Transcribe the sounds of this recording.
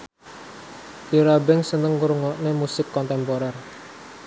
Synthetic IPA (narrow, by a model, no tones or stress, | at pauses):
iɾabɛŋsənəŋːuɾuŋɔʔnemusɪkːɔnt̪ɛmpoɾɛr